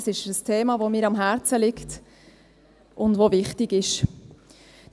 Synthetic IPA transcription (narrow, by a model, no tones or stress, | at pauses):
sɪʃəstʰeːmɑːvomiːɾɑmɦæɾt͡səlɪkt | ʔʊndʋovɪχtɪɡɪʃ